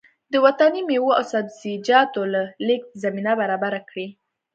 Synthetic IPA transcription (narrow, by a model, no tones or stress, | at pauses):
d̪əwat̪animewoa̰wsabzid͡ʒɑt̪olalek̪̚zaminabaɾɑbaɾakɽi